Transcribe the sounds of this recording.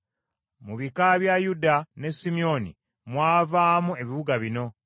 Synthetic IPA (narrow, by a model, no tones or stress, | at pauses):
muβikaβjajudane̞simio̞nḭ | mwaːvaːmue̞βiβuɡaβino̞